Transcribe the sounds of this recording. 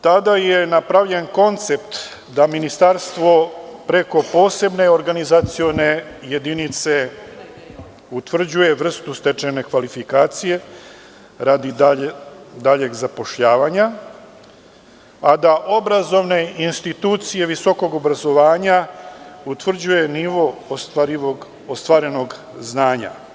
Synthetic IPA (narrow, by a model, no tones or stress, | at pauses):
t̪ad̪ajenapɾaʋʎe̞nko̞nt̪se̞pt̪ | d̪aminist̪aɾst̪ʋo̞pɾe̞ko̞po̞ːse̞bne̞o̞ɾɡanizat̪sio̞ne̞ | je̞d̪init̪se̞ | ut̪ʋr̩d͡ʑuje̞ʋr̩st̪ust̪et͡ʃene̞kʋalifikaːt̪sije̞ | ɾaːd̪i | d̪aʎe̞ɡzapo̞ʃʎaːʋaɲa | ad̪aʔo̞bɾazo̞ʋne̞inst̪it̪uːt̪sije̞ʋiso̞ko̞ɡo̞bɾazo̞ʋaːɲaut̪ʋr̩d͡ʑuje̞niʋo̞aɾi | ost̪ʋaɾe̞no̞ɡ | znaːɲa̰